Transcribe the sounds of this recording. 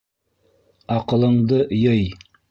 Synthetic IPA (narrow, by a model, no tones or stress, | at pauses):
ɑqɤ̆lˠɤ̆ɴd̪ɤjɤj